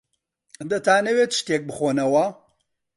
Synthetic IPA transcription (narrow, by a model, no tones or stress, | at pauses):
d̪ɐt̪ʰaːnɐwet̪ʃt̪eːk̚bɨxoːnɐwɐ